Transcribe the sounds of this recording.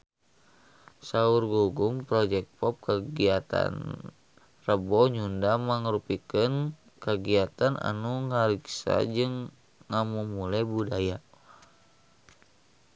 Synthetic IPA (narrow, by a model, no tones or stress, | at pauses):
saurɡuɡumpɾɔd͡ʒɛk̚pɔp̚kəɡiat̪a̰n | rəbɔɲundamaŋəɾupikən | kəɡiat̪ana̰nuŋaɾiksa̰d͡ʒɨŋː | amumulajbudaja